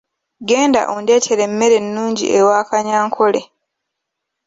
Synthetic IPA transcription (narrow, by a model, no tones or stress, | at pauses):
ɡe̞ːnda̰ʔonde̞ːtʰe̞ɾe̞mːe̞ɾe̞nːuːɲɟḭʔewaːkaɲaːŋkʰo̞le